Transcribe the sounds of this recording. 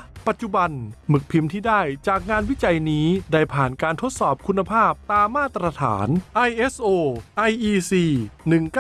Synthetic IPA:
pa˨˩t̪̚t͡ɕu˨˩ba˧nmɯ˨˩k̚pʰi˧mt̪ʰiː˥˩daː˥˩jt͡ɕaː˨˩k̚ŋaː˧nwi˦˥t͡ɕa˧jniː˦˥da˥˩jpʰaː˨˩nkaː˧nt̪ʰo˦˥t̪̚sɔː˨˩p̚kʰu˧nːa˧pʰaː˥˩p̚t̪aː˧mːaː˥˩t̪ɾa˧t̪ʰa̰ː˩˦nʔa˧jʔe˦˥sʔoː˧ʔa˧jʔiː˧siː˧nɯ˨˩ŋk

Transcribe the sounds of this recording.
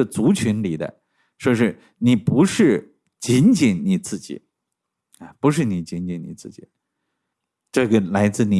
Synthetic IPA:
ə˧˩t͡su˧˥t͡ɕʰy˧˥nli˨˩d̪ə̰˦ | ʂwɔ˥˧ʂɻ̩˥˩ | ni˨˩pu˧˥ʂɻ̩˥˩ | t͡ɕi˧˥nt͡ɕi˨˩nni˨˩t͡sɹ̩˥˩t͡ɕḭ˨˩˦ | a˧pu˧˥ʂ̬ɻ̩˥˩ni˨˩t͡ɕi˧˥nt͡ɕi˧˩nni˨˩t͡sɹ̩˥˩t͡ɕḭ˨˩˦ | ʈ͡ʂɤ˥˩ɡə˩la˧˥ɪt͡sɹ̩˥˩ni˨˩

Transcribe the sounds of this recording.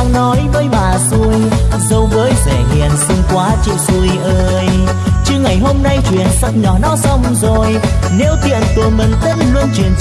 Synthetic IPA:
a˧ŋnɔ˨˦jvəː˨˦jɓaː˨˩su˧əjzə˧wvəː˨˦jzɛ˧˩ŋḭ˨˩ənsɨ˧ŋkwaː˨˦t͡ɕḭ˧˨wsu˧əjʔəː˧j | t͡ɕɨ˧ŋa˨˩jɦo˧mna˧jt͡ɕwḭ˧˨ənsə˨˩k͡p̚ɲɔ˨˩nɔ˨˦sa˧wŋ͡mzo˨˩jne˨˦wt̪ḭ˧˨ənt̪u˨˩əmï˨˩ŋ̟t̪ə˦˧˥n̚lu˧ənt͡ɕwi˨˩ən

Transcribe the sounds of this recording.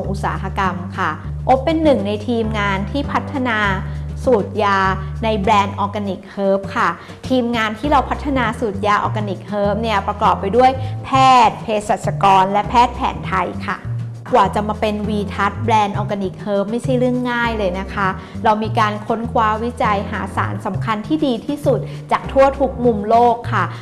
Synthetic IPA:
ŋʔu˧˩t̪̚sa̰ː˩˦ɦa˧ka˧mkʰa˥˩ | ʔo˦˥pːe˧nːɯ˨˩ŋna˧jt̪ʰiː˧mŋaː˧nt̪ʰiː˥˩pʰa˦˥t̪ʰːa˧naː˧suː˨˩t̪̚jaː˧na˧jbɾɛː˧nʔɔː˧ka˧ni˨˩k̚hɤː˦˥p̚kʰa˥˩ | t̪ʰiː˧mŋaː˧nt̪ʰiː˥˩ɾa˧wpʰa˦˥t̪ʰːa˧naː˧suː˨˩t̪̚jaː˧ʔɔ̰ː˧ka˧ni˨˩k̚hɤː˦˥p̚ni˥˩ɐpɾa˧kɔː˨˩pːa˧jdu˥˩əjpʰɛː˥˩t̪̚pʰeː˧sa˨˩t̪̚sa˧kɔː˧nlɛ˦˥pʰɛː˥˩t̪̚pʰɛ̰ː˩˦nt̪ʰa˧jkʰa˥˩ | kwaː˨˩t͡ɕa˨˩maː˧pe˧nwiː˧t̪ʰa˦˥t̪̚bɾɛː˧nʔɔː˧ka˧ni˨˩k̚hɤː˦˥p̚ma˥˩jt͡ɕʰa˥˩jɾɯ˥˩əŋːaː˥˩jlɤː˧jna˦˥kʰa˦˥ɾa˧wmiː˧kaː˧nkʰo˦˥nkʰwaː˧wi˦˥t͡ɕa˧jɦa̰ː˩˦sa̰ː˩˦nsa˩˦mkʰa˧nt̪ʰiː˥˩diː˧t̪ʰiː˥˩su˨˩t̪̚ | t͡ɕaː˨˩k̚t̪ʰu˥˩ɐt̪ʰu˦˥k̚mu˧mloː˥˩kʰːa˥˩

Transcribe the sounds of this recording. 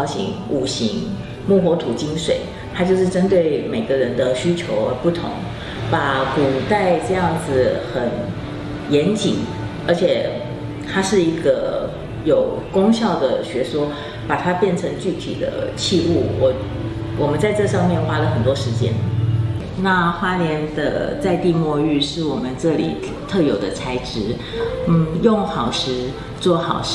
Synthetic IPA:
ɕḭ˧˥ŋu˨˩ɕḭ˧˥ŋ | mu˥˩xwɔ˧˥t̪ʰu˨˩t͡ɕi˥ŋʂwe˨˩ɪ | t̪ʰa˥t͡ɕjo˥˧ʊʂɻ̩˥˩ʈ͡ʂə˥nt̪we˥˩ɪme˨˩ɪɡə˦ɻə˧˥nd̪ə˧ɕy˥t͡ɕʰjo˧˥ʊə˧pu˥˩t̪ʰʊ̰˧˥ŋ | pa˧˥ku˨˩t̪a˥˧ɪʈ͡ʂɤ˥˧jɑ˥˩ŋd͡zɹ̩˨xə˨˩n | jɛ˧˥nt͡ɕi˨˩ŋ | ə˞˧˥t͡ɕʰjɛ˨˩ | t̪ʰa˥ʂɻ̩˥˩i˧˥ɡə˧ | jo˨˩ʊkʊ˥ŋɕjɑ˥˩ʊd̪ə̰˩ɕɥɛ˧˥ʂwɔ˥ | pa˨˩t̪ʰa˥pjɛ˥˩nʈ͡ʂʰɤ˧˥ŋt͡ɕy˥˩t̪ʰḭ˨˩d̪ə̰˦t͡ɕʰi˥˧u˥˩wɔ˨˩ | wɔ˨˩mə˨˦nt͡sa˥˧ɪʈ͡ʂɤ˥˧ʂɑ˥˧ŋmjɛ˥˨nxwa˥lə˨xə˨˩nt̪wɔ˥ʂɻ̩˧˥t͡ɕjɛ̰˥n | na˥˧xwa˥ljɛ˧˥nd̪ə̰˧t͡sa˥˧ɪt̪i˥˧mwɔ˥˧y˥˧ʂɻ̩˥˩wɔ˨˩mə˦nʈ͡ʂɤ˥˩lḭ˨˩ | t̪ʰɤ˥˩jo˨˩ʊd̪ə˦t͡sʰa˧˥ɪʈ͡ʂɻ̩˥ | n̩˥˩jʊ˥˩ŋxɑ˨˩ʊʂɻ̩˧˥ | t͡swɔ˥˩xɑ˨˩ʊʂ

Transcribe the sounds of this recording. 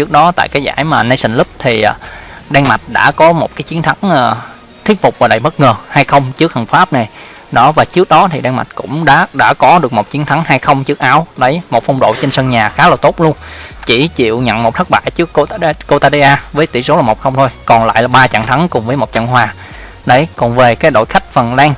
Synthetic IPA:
t͡ɕɨ˦˥ək̚ɗɔ˨˦t̪a̰ː˧˨jkaː˨˦jza̰ː˧˩jmaː˨˩na˧jsä˧˩ŋ̟lɨ˦˥p̚t̪ʰi˨˩ʔɗɛ˧ŋma˨˩t̚ɗa̰ː˧˥kɔ˨˦mo˨˩t̚kaː˨˦jt͡ɕi˨˦ənt̪ʰa˨˦ŋʔː | t̪ʰi˦˥t̚fʊ˨˩k͡p̚vaː˨˩ɗə̰˨˧˩jɓə˦˥t̚ŋəː˨˩ha˧jxə˧wŋ͡mt͡ɕɨ˦˥ək̚hə˨˩nfaː˦˥p̚na˨˩j | ɗɔ̰˨˦vaː˨˩t͡ɕɨ˦˥ək̚ɗɔ˨˦t̪ʰi˨˩ɗɛ˧ŋma˨˩t̚kʊ̰˧˥ŋ͡mɗa̰ː˧˥ɗa̰ː˧˥kɔ˨˦ɗɨ˨˩ək̚mo˨˩t̚t͡ɕi˨˦ənt̪ʰa˨˦ŋhaː˧jxə˧wŋ͡mt͡ɕɨ˦˥ək̚ʔaː˨˦wɗə˨˦jmo˨˩t̚fa˧wŋ͡mɗo̰˧˨t͡ɕe˧nsə˧nɲaː˨˩xaː˨˦laː˨˩t̪o˦˥t̚lu˧ənt͡ɕi˧˩t͡ɕḭ˧˨əwɲə̰˧˨nmo˨˩t̚t̪ʰk̚ɓa̰ː˧˨jt͡ɕɨ˦˥əkːo˧ko˧t̪aː˧ɗe˧ʔaː˧vəː˨˦jt̪ḭ˧˩so˨˦aː˨˩mo˨˩k͡p̚xə˧ŋ͡mt̪ʰo˧jkɔ˨˩nla̰ː˧˨jlaː˨˩ɓaː˧t͡ɕa̰ː˧˨ŋt̪ʰa˨˦ŋkʊ˨˩ŋ͡mvəː˨˦jmo˨˩t̚t͡ɕa̰˧˨nɦwaː˨˩ | ɗə˨˦jkɔ˨˩nve˨˩kaː˨˦jɗo̰˧˨jxa˦˥jk̟̚fə˨˩nlɛː˧ŋ

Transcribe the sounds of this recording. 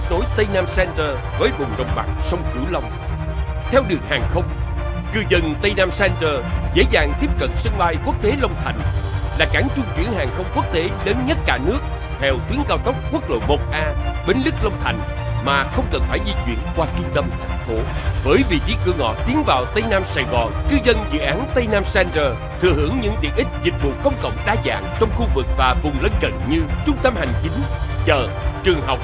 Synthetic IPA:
t̪̚no˨˦jt̪ə˧jnaː˧msɛ˧nt̪əː˧ | vɔː˨˦jvʊ˨˩ŋ͡mɗə˨˩wŋ͡mɓa̰˨˩ŋ̚sə˧wŋ͡mkɨ̰˧˩˦wlə˧wŋ͡m | t̪ʰɛ˧wɗɨ˨˩əŋhaː˨˩ŋxə˧wŋ͡mkɨ˧˩zə˨˩nt̪ə˧jnaː˧msɛ˧nt̪əː˧zḛ˧˥zaː˨˩ŋt̪i˦˥əp̚kə˨˩n̚sɨ˧ŋɓaː˧jku˦˥ək̚t̪e˨˦lə˧wŋ͡mt̪ʰa̰˨˩jŋ̟laː˨˩ka˧˩˦ŋt͡ɕʊ˧ŋ͡mt͡ɕwḭ˧˩əŋhaː˨˩ŋxə˧wŋ͡mku˦˥ək̚t̪e˨˦ləː˨˦nɲə˦˥t̚kaː˧˩nɨ˦˥ək̚ | t̪ʰɛ˧wt̪wi˨˦ənkaː˧wt̪ə˦˥wk͡p̚kːu˦˥ək̚lo̰˧˨jmo˨˩t̚ʔaː˧ɓe˨˦nlɨ˦˥k̚lə˧wŋ͡mt̪ʰa˨˩jŋ̟ | maː˨˩xə˧wŋ͡mkə˨˩nŋ͡mfaː˧˩jzi˧t͡ɕwḭ˧˨ənkwaː˧t͡ɕʊ˧ŋ͡mt̪ə˧mt̪ʰa˨˩jŋ̟fo˨˦vəː˨˦jvḭ˨t͡ɕi˨˦kɨ˧ŋɔ̰˧˨t̪i˨˦ənvaː˨˩wt̪ə˧jnaː˧msaː˧˩jɣɔ˨˩nkɨ˧zə˧nzɨ̰˧˨ʔaː˨˦nt̪ə˧jnaː˧msɛ˧nzəː˨˩ | t̪ʰɨ̰˨˧˨əhɨ˧˥əŋɲɨ̰˧˥ŋt̪ḭ˨˩ənʔï˦˥k̟̚zï˨˩t̟̚vṵ˧˨kə˧wŋ͡mkə̰˧˨wŋ͡mɗaː˧za̰ː˧˨ŋt͡ɕɔ˧wŋ͡mxu˧vɨ˨˩k̚vaː˨˩vʊ˨˩ŋ͡mlə˧nkə̰˧˨nɲɨ˧t͡ɕʊ˧ŋ͡mt̪ə˧mha˨˩jŋ̟t͡ɕi˨˦ŋ̟t͡ɕəː˨˩ | t͡ɕɨ˨˩əŋɦa˨˩wk͡p̚

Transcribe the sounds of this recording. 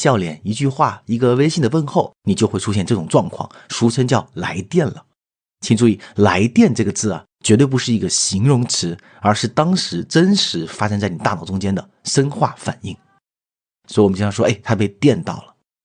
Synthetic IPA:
ɕjɑ˥˩ʊljɛ˨˩ni˧˥t͡ɕy˥˧xwa˥˩i˧˥ɡə˧we˥ɪɕi˥˩ŋd̪ə˩wə˥˧nxo˥˩ʊni˨˩t͡ɕjo˥˧ʊxe˥ɪu˥ɕjɛ˥˧nʈ͡ʂɤ˥˩ʈ͡ʂʊ˨˩ŋʈ͡ʂwɑ˥˧ŋkʰwɑ̰˥˩ŋʂu˧˥ʂʰə˥nt͡ɕjɑ˥˩ʊla˧˥ɪt̪jɛ˥˩nlə˩ | t͡ɕʰi˨˩ŋʈ͡ʂu˥˩i˥˩la˧˥ɪt̪jɛ˥˧nʈ͡ʂɤ˥˩ɡə˩t͡sɹ̩˥˩ɐ̰˩ | t͡ɕɥɛ˧˥t̪wp̬u˧˥ʂɻ̩˥˩i˧˥ɡə˧ɕi˧˥ŋɻʊ˧˥ŋʈ͡ʂʰɻ̩˧˥ | ə˞˧˥ʂɻ̩˥˩t̪ɑ˥ŋʂɻ̩˧˥ʈ͡ʂə˥nʂɻ̩˧˥fa˥ʂə˥ŋt͡sa˥˩ɪni˨˩t̪a˥˧˩nɑ˨˩ʊʈ͡ʂʊ˥ŋt͡ɕjɛ˥nd̪ə˨ʂə˥nxwa̰˥˩fa̰˨˩ni˥˩ŋ | swɔ˧˥i˧wm̩˦˥˩ɑ˥˩ʂɔ˥ʔe˥˩ɪt̪ʰa˥pe˥˧ɪt̪jɛ˥˧nt̪ɑ̰˥˩ʊlə˩

